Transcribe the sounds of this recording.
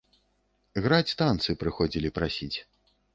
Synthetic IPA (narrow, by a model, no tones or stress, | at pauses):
ɣɾat͡sʲst̪ant̪sɨpɾɨxɔd͡zʲilʲipɾasʲit͡sʲ